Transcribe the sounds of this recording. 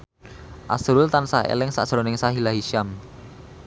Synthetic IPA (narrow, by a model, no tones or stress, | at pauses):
ʔa̰sɾʊlt̪ansaḛlɪŋsa̰ʔsɾɔnɪŋsaɦilaɦiʃam